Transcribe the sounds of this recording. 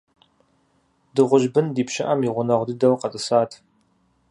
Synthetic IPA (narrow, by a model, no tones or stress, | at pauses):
dɨʁʷʊʒbɨndiːpʃɪʔɐmiʁʷʊnɐʁʷdɨdɐwqɐt͡sʼɨsaːtʰ